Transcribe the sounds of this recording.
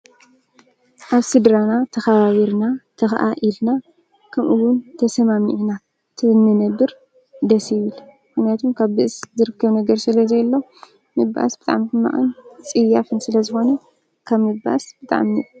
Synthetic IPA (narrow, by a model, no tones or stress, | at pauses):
ʔaβsɨd̪ɾanat̪ʰɐxaβaβiɾnat̪ʰɐxʔa̰ʔilna | kʰɐmʔuwʊnt̪ʰɐsɐmamiʕina | t̪ʰɨnːɨnɐbɨɾ | d̪ɐsiβɨl | ɨxnijat̪ʰumkʰaβbɨʔɨszɨɾɨkʰːɐβnɐɡɐɾsɨlɐzɐjlːo | mɨbːa̰ʔa̰sb̥ɨt̪ʼa̰ʕmt̪ʰɨma̰ʔʼɐnt͡sʼɨjːafɨnsɨlɐzɨxo̞nɐ | kʰaβmɨba̰ʔa̰sb̥ɨt̪ʼa̰ʕmi